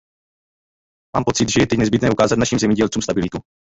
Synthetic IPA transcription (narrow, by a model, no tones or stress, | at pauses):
maːmpo̞t͡sɪt̪ʒɛjɛt̪ɛcnɛzbɪt̪nɛːʔukaːzat̪naʃiːmzɛmɲɛɟɛlt͡suːmst̪abɪlɪt̪u